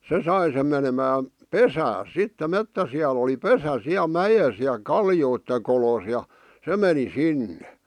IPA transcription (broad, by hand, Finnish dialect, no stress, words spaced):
se sɑi sem menemæːn̞ pesæːs sitːe metːæsiɑl oli pesæ siæl̆ mæjes jɑ kɑljoitːe kolos jɑ se meni sinːe